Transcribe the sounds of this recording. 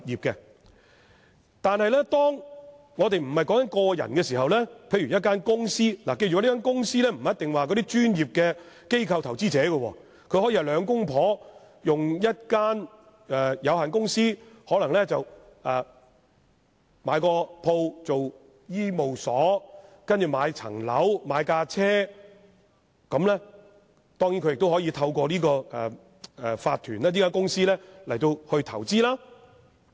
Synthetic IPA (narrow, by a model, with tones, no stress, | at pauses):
jiː˨p̚kɛ˧ | t̪aː˨nhɐ˨jlɛ˥t̪ɔː˥ŋ | ŋɔː˨˧t̪e˨jm̩˨˩hɐ˨jkɔː˨˥ŋkɐ˦˥nkɔː˧jɐ̰˨˩nkɛː˧s̬iː˨˩ɦɐ˨wlɛː˥pʰe˨˥jɥy˨˩jɐ˥t̚k̬ːaː˥nkʊ˥ŋsiː˥laː˨˩ke˧jyː˨˦lːkaː˥nkʊ˥ŋsiː˥lɛː˥m̩˨˩˨jɐ˥t̪ɪ˨ŋwaː˨kɔː˨˧˥d̪iː˥t͡ʃyː˥njiː˨p̚kɛː˧ | ke˥jkʰɐ˧wt̪ʰɐ˨˩wt͡siː˥t͡sɛː˨˥ɡə˧wɔ̰ː˧ | kʰɵ˨˧ɥhɔː˨˥jiː˧hɐ˨˩lœː˨˧ŋkʊ˥ŋpʰɔː˨˥ | jʊ˨ŋjɐ˥t̚kaː˥n | ɛ˨jɐ˨˧whɦaː˨nkʊ˥ŋsiː˥hɔː˨˥lɐ˨˩ŋlɛ˥t͡sɐ˨w | ɛː˨˩ | maː˨˧jkɔː˧pʰo˧wt͡so˨w | jiː˥mo˨wsɔː˨˥kɐ˥nt͡ʃy˨˩maː˨˧jt͡sʰɐ̰˨˩ŋlɐ̰˨˥wmaː˨˧jkaː˧t͡sʰɛː˥ | kɐ˨˧mlɛ˥ | t̪ɔː˥ŋjiː˨˥nkɵ˧jɪ˨k̚t̪whɔː˨˥jiː˧t̪ʰɐ˧wkʷɔː˧liː˥kɔː˧ɛ˨ | ɛ˨faː˧t̪ʰyː˨˩nlaɛː˥li˥kaː˥nkʊ˥ŋsiː˥lɛː˥lɐ˨˩jt̪o˧whɵ˧ɥt̪ʰɐ˨˩wt͡siː˥laː˥